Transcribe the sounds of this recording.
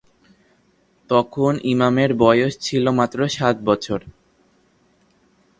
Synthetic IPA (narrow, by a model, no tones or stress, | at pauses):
t̪ɔkʰonʔimameɾbɔjoʃt͡ɕʰilomat̪ːɾoʃat̪̚bɔt͡ɕʰoɾ